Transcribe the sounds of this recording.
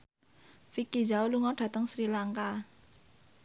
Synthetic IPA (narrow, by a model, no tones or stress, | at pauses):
fikid͡ʒauluŋɔɖ̥ä̤t̪əŋsɾilaŋka